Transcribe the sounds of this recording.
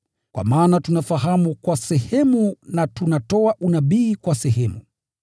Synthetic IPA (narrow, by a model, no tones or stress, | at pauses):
kwʔa̰maːnatunafaɦamukwasɛhɛmunatunatɔaʔunaɓiːkwasɛɦɛmu